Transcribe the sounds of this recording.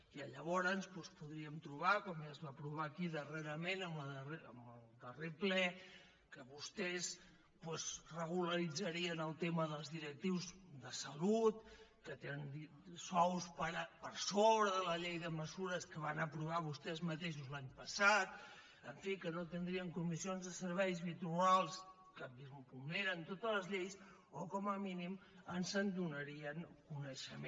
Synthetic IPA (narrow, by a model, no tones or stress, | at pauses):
iəʎəβɔɾənspwɛspuðɾiəmt̪ɾuβ̞akɔmjazβapɾuβ̞akiðəreɾəmenəməðəreəməlˠd̪əreplɛ | kəβust̪ɛz | pwɛzrəɣ̞uləɾid͡zəɾiənəlˠt̪eməðəlˠzðiɾək̚t̪iwzðəsəlut̪̚kət̪enənd̪i | sɔwspəɾpəɾsoβɾəðələʎejðəməzuɾəskəβanəpɾuβ̞aβust̪ɛzmət̪eʃ̬uzlaɲpəsat̪ | əɱfikənot̪ənd̪ɾiəŋkumisionzðəsəɾβɛjzβit̪ualˠs | kəmbizmpumneɾənt̪ot̪ələzʎejs | okɔməminimənsənd̪unəɾiənkunəʃəm